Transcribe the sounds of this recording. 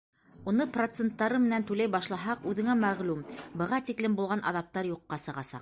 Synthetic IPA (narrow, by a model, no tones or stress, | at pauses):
unɤprot̪sent̪ːɑɾɤmɘ̆nænt̪ʉlæjbɑʃlˠɑɦɑqʉðɘ̆ŋæmæʁlʉmbɤ̆ʁɑt̪iklɘmbulˠʁɑnʔɑ̰ðɑp̚t̪ɑɾjuqːɑsɤ̆ʁɑsɑ̰q̚